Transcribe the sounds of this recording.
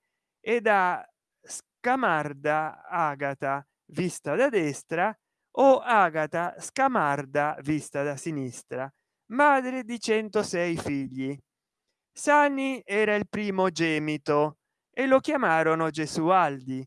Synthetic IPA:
ed̪a | skamard̪aaːɡat̪a | vist̪ad̪ad̪ɛst̪ɾa | oaːɡat̪askamaɾd̪avist̪ad̪asinist̪ɾa | maːd̪ɾɪd̪it͡ʃɛnt̪osɛjfiʎːi | sanːiɛːɾailpɾiːmod͡ʒɛːmit̪o | elokjamaːɾonod͡ʒesuald̪i

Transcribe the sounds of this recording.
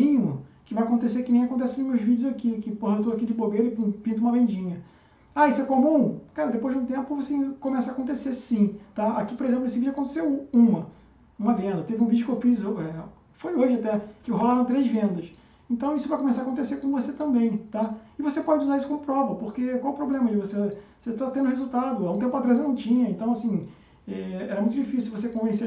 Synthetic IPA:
ĩɲʊkɪvajakõnt̪̬esekɪnẽj̃akõnt̪ɛsɪnũmeʊzvid͡ʒɪʊzakikɪpohɐewt̪oakid͡ʒɪbobeɾʊɪppĩnt̪ũmɐvẽnd͡ʒĩɲɐ | aisʊɛkomũkaɾɐd̪epojʒd͡ʒɪũt̪̬ẽmpʊvosekõmɛsɐakõnt̪esesĩt̪aakipoɾezẽplʊnesɪvid͡ʒʊakõnt̪e̥sewũmɐ | ũmɐvẽnd̪ɐt̪evɪũvid͡ʒʊkewfizoɛ | fojoʒɪat̪ɛkɪɦolaɾɐ̃w̃t̪ɾezvẽnd̪ɐs | ẽnt̪ɐ̃w̃isʊvajkõmes̬aɾakõt̪esekõvoset̪ɐ̃mbẽj̃t̪aɪvosepɔd͡ʒɪuzaɾisʊ̥kõmʊpɾɔvɐpoχkekwawupɾoblẽmɐd͡ʒɪvose | set̪at̪ẽnd̪ʊhezuwt̪ad̪ʊaũt̪ẽpʊat̪ɾazewnɐ̃w̃t͡ʃĩɲɐẽnt̪ɐ̃w̃asĩ | ɛɛɾɐmũj̃t̪ʊd͡ʒifisuwuvos̬ekõvẽse

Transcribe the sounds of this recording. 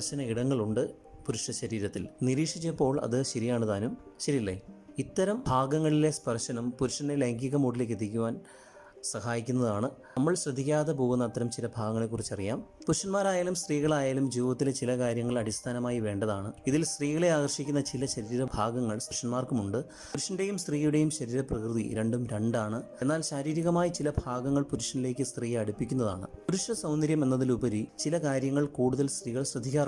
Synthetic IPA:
ɐrɕɐnɐiɽɐŋːɐɭuɳɖɨ | puɾuʂɐɕɐɾiːɾɐt̪ːilniɾiːkʂit͡ɕːɐpːo̞ːɭɐ̰ðɨɕɐɾijaːɳɨt̪aːnumɕɐɾilːeit̪ːɐɾɐmbʱaːɡɐŋːɐɭile̞spɐrɕɐnumpuɾuʂɐnelɐŋɡiɣɐmoːɽile̞ːkːet̪ːikʲːuʋaːn | sɐhaːjikʲːunːɐðaːɳɨ | ɐmːɐɭɕrɐd̪ʱːikʲːaːðep̬o̞ːɣunːɐt̪ːɐɾɐmt͡ɕilɐbʱaːɡɐŋːɐɭe̞kːurit͡ɕːɐrijaːmpuɾʂɐnmaːɾaːjaːlumst̪riːɣɐɭaːjaːlumd͡ʑiːʋɐʋɐt̪ːilet͡ɕilɐkaːɾjɐŋːɐɭɐɽist̪ʰaːnɐmaːjiʋe̞ːɳɖɐðaːɳɨiðilst̪riːɣɐɭe̞aːɣɐrʂikʲːunːɐt͡ɕilɐɕɐɾiːɾɐbʱaːɡɐŋːɐɭsʂɐnmaːrkumuɳɖɨ | uɾuʂɐnde̞jumst̪riːjuɽe̞jumɕɐɾiːɾɐprɐkrɨðḭɾe̞ɳɖumɾe̞ɳɖaːɳɨe̞nːaːlɕaːɾiːɾiɣɐmaːjit͡ɕilɐbʱaːɡɐŋːɐɭpuɾuʂɐnile̞ːkʲːɨst̪riːɐɽupːikʲːunːɐða̰ːɳɨ̰puɾuʂɐsɐwndɐɾjɐme̞nːɐðilubɐɾit͡ɕilɐkaːɾjɐŋːɐɭkuːɽuðɐlst̪riːɣɐɭɕrɐd̪ʱːikʲːaːr

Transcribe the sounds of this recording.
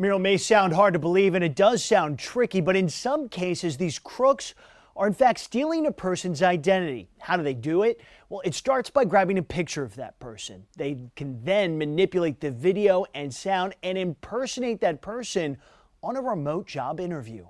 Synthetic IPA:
mɪɹl̩ˠmeɪsãʊ̃nd̚ɦɑɹd̚tɨbəlivɨ̃ñɨt̚d̥ʌz̥sãʊ̃ntʰɹ̥ɪkibʌɾɨ̃nsʌ̃mkʰeɪsɨzðiz̥kʰɹ̥ʊks | ʔə˞ɨ̃nfæk̚tstilˠɪ̃ŋɨpʰɜ˞sɨ̃n̩zaɪdɛ̃ɾ̃ɨɾḭhaʊɾɨðeɪdɨɪt̚ | wɛlˠɨtstɑɹtsb̥aɪɡɹæbɪ̃ŋɨpʰɪk̚t͡ʃə˞ʌvðɨ̰t̚pʰɜ˞sɨ̰̃nðeɪkʰɨ̃nðɨ̃nmɨnɪpjɨleɪt̪̚ðɨvɪɾioʊʔɨ̃nsãʊ̃ndɨ̃nɨ̃mpʰɜ˞sɨneɪt̪̚ðɨt̚pʰɜ˞sɨ̃n | ə̃nəɹəmoʊt̚d̥ʒ̥ɑ̰bɪ̃ɾ̃ə˞vjʉ̰

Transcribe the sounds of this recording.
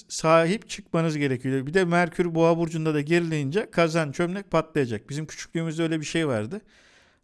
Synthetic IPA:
saːɦipt͡ʃʰɯk̚manɯzɟe̞ɾecʰijobid̪ɛmæɾcʰyɾbuabuɾd͡ʒund̪ad̪aɟeɾilʲejind͡ʒɛkʰazant͡ʃʰømnɛc̚pʰat̪lˠajad͡ʒak̚bizimcʰy̥t͡ʃʰy̥c̚ʲlʲyːmyzølʲɛbiʃejvaɾd̪ɯ

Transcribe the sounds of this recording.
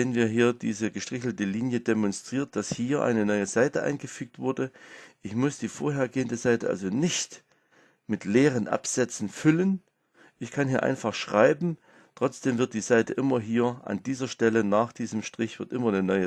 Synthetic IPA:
nənviːɐɦiːɐdḭːzəɡəʃtʁ̥ɪçl̩təliːnjədemɔnstʁ̥iːɐt̚d̥ashiːɐʔa̰ɪnənɔʏəzaɪtəʔa̰ɪnɡəfyːk̚tv̥ʊɐdəʔɪçmʊsd̥iːfoːɐɦeːɐɡeːəndəzaɪtəʔa̰lzonɪçt | mɪtleːʁ̞ənʔa̰pz̥ɛt͡sn̩fʏlən | ʔɪçkʰanhiːɐʔa̰ɪnfaχʃʁ̥aɪbm̩ | tʁ̥ɔt͡sd̥eːmvɪɐt̚d̥iːzaɪtəʔɪmɐɦiːɐʔa̰ndiːzɐʃtɛlənaːχd̥iːzəmʃtʁ̥ɪçv̥ɪɐtʔɪmɐnənɔʏə

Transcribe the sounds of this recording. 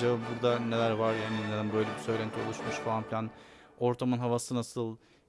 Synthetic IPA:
ababuɾd̪anelʲæɾvaɾjaːnind̪ænbø̞jlʲebisø̞jlʲænt̪ʰio̞lˠuʃmuʃfaanfilʲæn | o̞ɾt̪ʰamɯnɦavasɯnasɯlˠ

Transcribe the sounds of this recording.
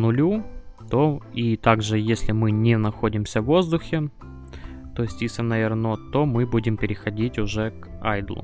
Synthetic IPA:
nʊlʲut̪oit̪aɡʐɨjesʲlʲɪmɨnʲenɐxo̞dʲɪmsʲəvːo̞zd̪ʊxʲɪ | t̪oɪsʲtʲisʲɐnɐvʲɪrnot̪o̞mɨbudʲɪmpʲɪɾʲɪxɐdʲitʲʊʐɛk | a̰jd̪lˠʊ̰

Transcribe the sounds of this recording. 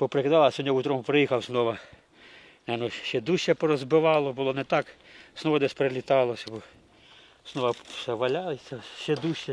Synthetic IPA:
pɔpɾekd̪ɑlˠɐsʲɔnʲaut̪ɾɔmupɾejixɐwznɔʋɐ | nɛnɔʃɛd̪uʃʲt͡ʃɛpɔɾɔzbɪʋɑlˠɔbʊlˠɔnɛt̪ɑkz̥nɔʋɐd̪ɛsʲpɾelʲit̪ɑlˠɔsʲɐbɔ | z̥nɔʋɐsɛʋɐlʲɑlˠɪsʲɐʃɛd̪uʃʲɛ

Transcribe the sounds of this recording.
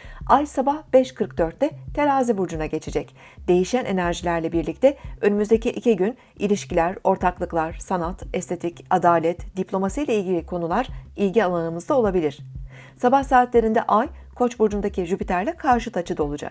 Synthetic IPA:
ajsabahb̥ɛʃkʰɯɾk̚d̪ø̞ɾt̪ʰːɛt̪ʰe̞ɾaːzibuɾd͡ʒunaɟe̞t͡ʃʰed͡ʒɛc | d̪̥e̞jiʃænʔe̞næɾʒilʲæɾlʲɛbiɾlʲic̚t̪ʰɛønymyzd̪ecʰiʔicʰiɟyn | ilʲiʃcilʲæɾo̞ɾt̪ʰaklˠɯklˠaɾ̥sanat̪ɛst̪ʰe̞t̪ʰicad̪aːlʲɛt̪d̪iplʲo̞masijlʲailʲɟilʲikʰo̞nulˠaɾ̥ilʲɟʲialˠanɯmɯzd̪ao̞lˠabilʲiɾ̝̥ | sabahsaːt̪lʲe̞ɾind̪ɛ̰ʔaj | kʰo̞t͡ʃbuɾd͡ʒund̪acʰiʒypit̪ʰæɾlʲɛkʰaɾʃɯt̪ʰat͡ʃʰɯd̪o̞lˠud͡ʒa̰k

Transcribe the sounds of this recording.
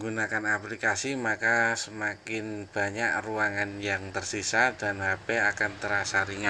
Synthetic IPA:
ɡunakanaplikasimakasəmakɪnb̥a̤ɲak̚ruaŋanjaŋt̪ərsisad̥anhapɛakant̪əɾasaɾiŋa

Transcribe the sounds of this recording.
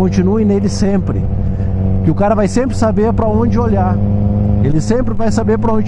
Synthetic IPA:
õnt͡ʃinuẽnelɪsẽmpɾɪ̰ | kɪʊkaɾɐvajsẽmpɾɪsabeɾpɾɐõd͡ʒɪoʎaɾ | elɪsẽmpɾɪvajsabeɾp̬ɾɐõd͡ʒ

